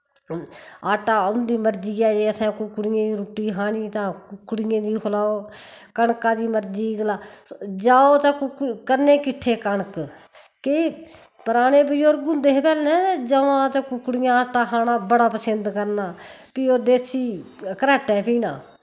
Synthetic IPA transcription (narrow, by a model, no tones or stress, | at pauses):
aːʈaːʊnd̪iːməɾd͡ʒiːɛːd͡ʒeːəsʰɛ̃ːkʊkːɽɪjẽːiːɾuːʈːiːɦaːɳiːt̪ãːkʊkːɽɪjẽːd̪iːkʰʊlaːoːkəɳkãːd̪iːməɾd͡ʒiːɡlaːd͡ʒaːoːt̪ãːkkəɾneːkɪʈʰːeːkəɳk | ke | pəɾaːneːbəjoɾɡʊnd̪eːpɛːlnɛːd͡ʒəʋãːt̪akʊkɽɪjãːaːʈaːɦaːnaːbəɽaːpəsənd̪kəɾnaːpiːoːd̪eːsiː | kəɾɛːʈɛ̃ːpiːnã̰ː